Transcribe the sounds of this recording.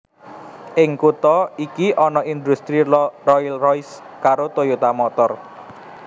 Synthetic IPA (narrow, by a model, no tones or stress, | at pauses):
ʔɪŋkut̪ɔikiʔɔnɔind̪ust̪ɾirɔilrɔjs | kaɾot̪ojut̪amɔt̪ɔr